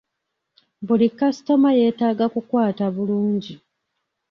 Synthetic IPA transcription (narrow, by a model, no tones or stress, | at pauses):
bulikːasi̥to̞maje̞ːtaːɡakukwaːtaβuluːɲɟi